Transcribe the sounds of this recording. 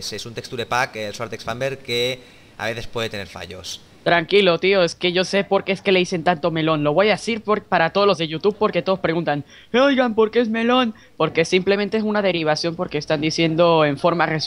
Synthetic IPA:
sesunt̪ekst̪uɾepakelswaɾt̪eksfambeɾke̞ | a̰βe̞θe̞spwe̞ðe̞t̪e̞ne̞ɾfa̰ʝo̞̰s | t̪ɾaŋkilo̞t̪ioe̞ske̞ʝo̞se̞po̞ɾkeeske̞le̞ðise̞nt̪ant̪o̞me̞lo̞nlo̞βojasiɾpɾpaɾat̪o̞ð̞olo̞zðe̞ʝut̪uβ̚po̞ɾket̪o̞ðo̞spɾe̞ɣunt̪an | ojɣampo̞ɾke̞ezme̞lo̞n | po̞ɾke̞simple̞mẽ̞nt̪eesunaðe̞ɾiβ̞asjo̞mpo̞ɾke̞ːst̪and̪isje̞nd̪o̞eɱfo̞ɾmare̞s

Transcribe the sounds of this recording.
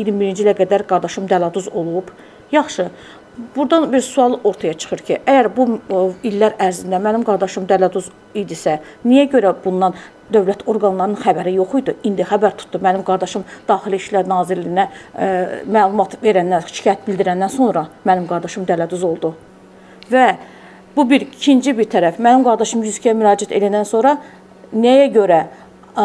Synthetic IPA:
iɾimbiɾind͡ʒilˠæɡæd̪æɾɡɑɾd̪ɑʃɯmd̪ælɑd̪uzo̞lˠub̥ | jɑχʃɯ | buɾd̪ɑnbiɾsuɑlˠɯʔo̞ɾt̪ʰɑjɑt͡ʃʰɯ̥χɯɾcʰiʔæjæɾbuilːæɾæɾzind̪æmænimɡɑɾd̪ɑʃɯmd̪ælæd̪uz | ijd̪isæ | nijæɟø̞ɾæbunːɑn | d̪ø̞vlæt̪ʰo̞ɾɡɑnlˠɑɾɯnxæbæɾijo̞xujd̪uind̪ixæbæɾt̪ʰu̥t̪ʰd̪umænimɡɑɾd̪ɑʃɯmd̪̥ɑːxiliiʃlæɾnɑːziɾlijinæ | mæːlˠumɑt̪ve̞ɾænːænʃʃi̥ɑːjæt̪̚bild̪iɾænːænso̞nɾɑmænimɡɑɾd̪ɑʃɯmd̪ælæd̪uzo̞lˠd̪u | væ | b̥ubiɾicʰind͡ʒibiɾt̪ʰæɾæfmænimɡɑɾd̪ɑʃɯmjyzicʰijæmyɾɑːd͡ʒæt̪ʰḛlæd̪ænso̞nɾɑ | nejæɟø̞ɾæ

